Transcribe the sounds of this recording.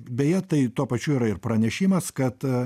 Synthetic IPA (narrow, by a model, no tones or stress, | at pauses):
bʲɛjɛt̪ɐɪt̪uɔpɐt͡ʃʲuːiːɾɐɪrpɾɐnʲɛʃʲiːmɐskɐt̪